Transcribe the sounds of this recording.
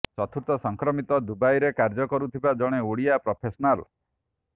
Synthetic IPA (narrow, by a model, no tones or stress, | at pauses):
t͡ʃɔt̪ʰuɾt̪ɔsɔŋkɾɔmit̪ɔd̪ubajɾekaɾd͡ʒɔkɔɾut̪ʰibad͡ʒɔɽ̃eoɽijapɾɔpʰesɔnal